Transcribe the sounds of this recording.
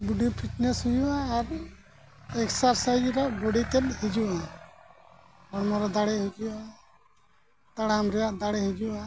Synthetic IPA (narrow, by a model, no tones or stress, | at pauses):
buɖipʰitnɛshujuʔaːɾ | ɛksaɾsajd͡ʒɾɔʔbɔɽit̪ɛlhid͡ʒuʔa | bɔɽmɔɾɔd̪aɽɛɦud͡ʒua | t̪aɽaamɾɛjaʔd̪aɽɛhid͡ʒuʔa